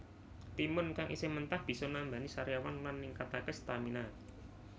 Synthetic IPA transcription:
t̪imʊnkaŋʔḭsɪmənt̪ahb̥i̤sɔnamba̤nisaɾjawanlanːiŋkat̪akəst̪amina

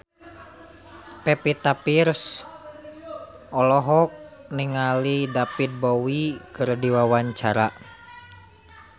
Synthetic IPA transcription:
pɛpit̪apirs | ʔɔlɔɦɔk̚niŋalidapit̪̚bowikɨrdiwawaɲt͡ʃaɾa

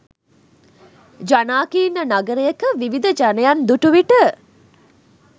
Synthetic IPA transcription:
d͡ʒanaːkiːnənaɡəɾəjəkəʋiʋid̪əd͡ʒanəjand̪uʈuʋiʈə

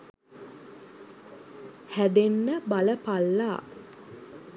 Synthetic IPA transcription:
hæd̪enːəbaləpalːaː

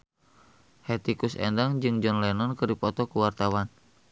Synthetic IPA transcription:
hɛt̪ikusɛ̰ndaŋd͡ʒɨŋd͡ʒɔnlɛnɔnkərdipɔt̪ɔkuwart̪awan

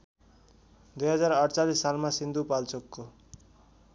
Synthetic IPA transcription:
d̪ujɦʌd͡zaɾʌɽt͡salisːalmasind̪upalt͡sokːo

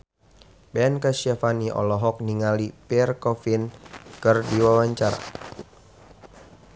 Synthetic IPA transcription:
bɛnkasafaniʔɔ̰lɔɦɔk̚niŋalipirkɔfinkɨrdiwawaɲt͡ʃaɾa̰

